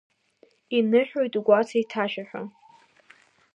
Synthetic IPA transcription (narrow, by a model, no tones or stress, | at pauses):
inɨħᶣojtʼuɡʷat͡sʰaitʰaʃaħᶣʷa̰